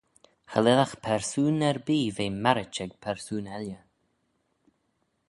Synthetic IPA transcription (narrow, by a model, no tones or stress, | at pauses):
xəlɪlaxpʰɛɹsuːnɛɹbiːveːmaɾɪt͡ʃɛɡ̚pʰɛɹsuːnɛljə